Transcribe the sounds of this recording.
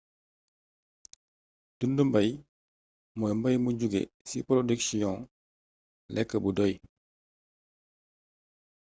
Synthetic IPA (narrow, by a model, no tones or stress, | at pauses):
d̥undumbaj | mɔjmbajmuɟuɡḛsipɔlɔdiksijɔ̃ŋ | lɛkːəbudɔj